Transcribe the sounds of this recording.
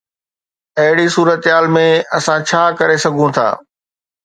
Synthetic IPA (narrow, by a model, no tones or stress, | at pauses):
ɐɦɪɽisuːɾət̪ɦaːlmẽɐsãt͡ɕʰaːkɐɾesɐɡʱũt̪ʰa̰ː